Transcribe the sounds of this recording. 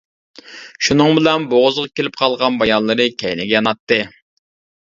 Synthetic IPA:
ʃunɨŋbɪlɛnboʁʊzʁɑkʲelɪp̚qʰɑlˠʁɑnbɑjɑllˠːɨɾɨkʲʰɛjnɪɡʲɛjɑnɑt̪ːɨ

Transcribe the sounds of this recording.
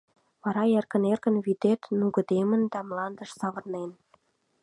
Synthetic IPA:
βɑɾɑerkə̆nerkə̆nβid̪et̪nuɣə̆d̪emə̆nd̪ɑmlɑnd̪əʃsɑβə̆rnen

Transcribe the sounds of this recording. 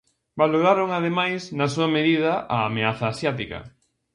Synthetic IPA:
baloɾaɾoŋað̞emajsnɐsuɐmeðiðɐʔaːmeaθaːsjat̪ikɐ̰

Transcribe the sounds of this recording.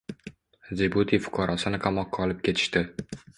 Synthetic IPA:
zebut̪ʰifʊ̥qʰɑɾɒsɪnɪqʰamɒqːɑɒlˠɪp̚kʲʰe̞t̪ʰɪ̥ʃt̪ɪ

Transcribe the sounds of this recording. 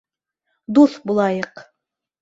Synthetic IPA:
d̪uθbulˠɑjɤq

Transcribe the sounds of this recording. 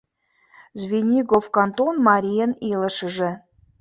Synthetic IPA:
zvʲinʲiɡofkɑnt̪onmɑɾʲijənilə̆ʃə̆ʒĕ

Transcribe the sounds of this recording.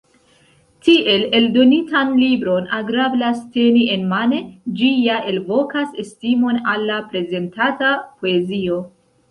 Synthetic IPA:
tiʔe̞le̞ldo̞nitanlibɾo̞naɡɾablaste̞nie̞nmane̞d͡ʒijaʔe̞lvo̞kasestimo̞nalːapɾe̞ze̞ntatapo̞e̞zio̞

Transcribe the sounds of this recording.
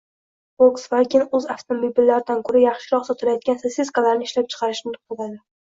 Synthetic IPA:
oksvakʲɪnɵzaft̪ʰomibilːaɾɪd̪ankʰɵɾajɑχʃɪɾɒχsɒt̪ʰɪlajɒt̪̚ɡʲanseseskalaɾnɪʃlap̚t͡ʃʰɨ̥qʰɑɾɪʃmʊt̪ʰɪ̥bolad̪ɪ

